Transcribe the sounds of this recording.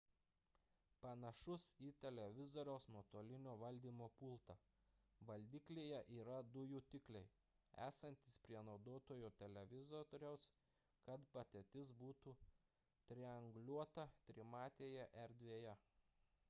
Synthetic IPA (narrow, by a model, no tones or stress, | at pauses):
pɐnɐʃʊsiːt̪ʲɛlʲɛʋʲɪzoːɾʲɛʊsnoɔt̪oːlʲɪnʲoːʋɐlʲd̪ʲiːmoːpʊlˠt̪ɐ | ʋɐlʲd̪ʲiːklʲeːjɛʔiːɾɐd̪ʊjʊt̪ʲɪklʲɛɪ | æ̰ːsɐnʲt̪ʲɪspʲɾʲiɛnɒʊd̪oːt̪oːjuːt̪ʲɛlʲɛʋʲɪzɔɾʲɛʊs | kɐt̪bɐt̪ʲɛt̪ʲɪsbuːt̪uː | t̪ʲɾʲɪɐŋɡlʲuɔt̪ɐt̪ʲɾʲɪmɑːt̪ʲeːjɛʔɛɾd̪ʲʋʲeːjɛ